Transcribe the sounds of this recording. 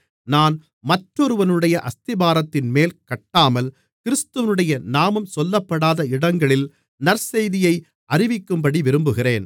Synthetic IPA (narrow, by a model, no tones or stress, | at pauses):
naːn | mɐʈrɔɾɯʋɐnɯɽɐjɐʔɐst̪ɪbaːɾɐt̪ːɪnmeːlkɐʈːaːmɐl | kɪɾɯst̪ɯʋɐnɯɽɐjɐnaːmɯmsɔlːɐpːɐɽaːðɐɪɽɐŋɡɐɭɪl | nɐɾsɛjðɪjɐɪ | ɐrɪʋɪkːɯmbɐɽiʋɪɾɯmbɯɣɪreːn